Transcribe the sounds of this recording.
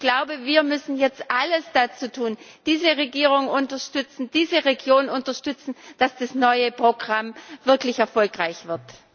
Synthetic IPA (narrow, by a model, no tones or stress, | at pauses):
ɡ̥laʊbəviːɐmʏsn̩jɛt͡stʔaləsd̥at͡suːtʰuːn | d̥iːzəʁeɡiːʁ̞ʊŋʊntɐʃtʏt͡sn̩d̥iːzəʁeɡjoːnnʊntɐʃtʏt͡sn̩d̥asd̥asnɔʏəpʁ̥oɡʁamvɪɐklɪçɛɐfɔlkʁaɪçv̥ɪɐt